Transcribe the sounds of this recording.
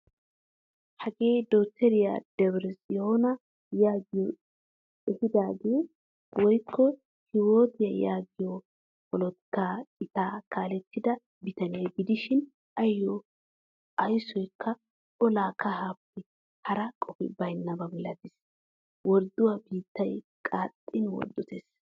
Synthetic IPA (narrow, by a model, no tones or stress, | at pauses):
hɐɡe̞ːd̪oːt̪ːɛɾɪja̰d̪̥ɛbɾɛsɪjoːnɐ | jaːɡɪjɔ | ɛhɪd̪aːɡe̞ː | wɔjkʰːɔ | hɪwoːt̪ɪjɐjaːɡɪjɔ | kɔlɔt̪ːaːɪt̪aːkaːlɛt̪ːɪd̪ɐ | bɪt̪ɐneːbɪd̪ɪʃɪn | ɐjːɔ | ʔɐjsɔjkʰːɐ | ɔlaːkɐɦaːpːɪ | hɐɾɐkʼɔfɪ̰bɐjnːɐbɐbɔlɐd̪ɪs | wɔɾd̪ʊwabiːt̪ːɐj | kʼaːt̪ʼːɪnwɔ̰ɾd̪ːɔt̪eːs